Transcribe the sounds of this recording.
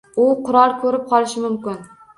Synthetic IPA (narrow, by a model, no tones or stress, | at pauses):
ʊqʰʊɾɒlˠkʰɵɾɪp̚qʰɒlˠɪʃɪmʊmkʲɪn